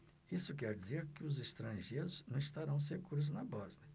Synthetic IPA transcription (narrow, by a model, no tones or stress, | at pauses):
isʊkɛɾd͡ʒizeɾkɪʊzest̪ɾɐ̃ʒeɾʊznɐ̃w̃ist̪aɾɐ̃w̃s̬ekuɾʊznɐbɔzniɐ